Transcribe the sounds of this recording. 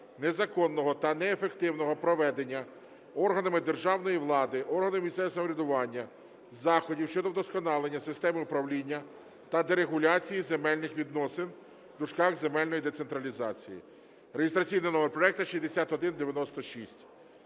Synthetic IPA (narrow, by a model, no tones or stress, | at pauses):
nezɐkɔnːɔɦɔt̪ɐnɛːfe̞kt̪ɪwnɔɦɔpɾɔʋɛd̪e̞nʲːɐ | ɔrɦɐnɐmɪd̪erʒɑwnɔjiʋlˠɑd̪ɪʔɔrɦɐnɪmmʲist̪sɛʋʲisɐmɔɾʲɪd̪ʊʋɑnʲːɐ | zɑxɔdʲiwʃt͡ʃɔd̪ɔwd̪ɔskɔnɑlˠenʲːɐsɪst̪ɛmɪʊpɾɐwlʲinʲːɐ | t̪ɐd̪eɾe̞ɦʊlʲɑt͡sʲijizemɛlʲnɪxʋʲid̪nɔsɪn | wd̪ʊʃkɑɣzemɛlʲnɔjid̪ese̞nt̪ɾɐlʲizɑt͡sʲḭjḭ | ɾeɦɪst̪ɾɐt͡sʲijnɪnɔmerpɾɔɛk̚t̪ɐʃizʲd̪esʲat̪ɔd̪ɪnd̪eʋʲjɐnɔst̪ɔʃisʲtʲ